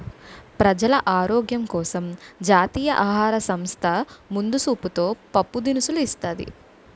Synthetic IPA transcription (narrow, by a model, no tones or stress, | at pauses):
pɾɐd͡ʒɐlɐʔaːɾoːɡjɐmkɔːsɐmd͡ʒaːt̪iːjɐʔaːɦaːɾɐsɐmst̪ʰɐmund̪usuːput̪o̞ːpɐpːud̪inisuluist̪aːd̪ḭ